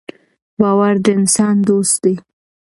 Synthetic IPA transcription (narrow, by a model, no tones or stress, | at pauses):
bɑwaɾd̪əɪnsɑnd̪ost̪̚d̪ej